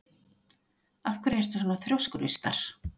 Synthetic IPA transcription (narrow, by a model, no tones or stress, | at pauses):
afkvɛɾhɛɾ̥t̪ʏsɔːnaθɾjowskɾʏst̪a̰ɾ̥